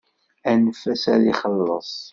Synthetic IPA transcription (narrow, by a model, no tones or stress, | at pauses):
ænəfæsæliχəlːə̰sˤ